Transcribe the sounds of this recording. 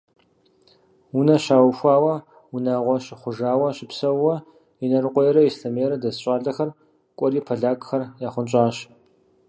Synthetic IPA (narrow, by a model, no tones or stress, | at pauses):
unɐɕaːwxʷaːwɐ | wunaːʁʷɔɕɪχʷʊʒaːwɐɕɪpsɐwwɐ | inɐɾɨqʷʼɔjɛɾɐjisɬɐmeːɾɐdɐzɕʼaːɮɐxɐr | kʷʼɔɾiːpʰɐɮaːkʼxɐrjaːχʷʊnt͡ʃʼaːɕ